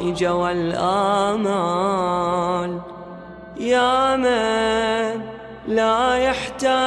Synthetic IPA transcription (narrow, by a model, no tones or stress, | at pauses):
ʔɪd͡ʒawalʔaːma | l | jaːma | n | lajaħt̪aː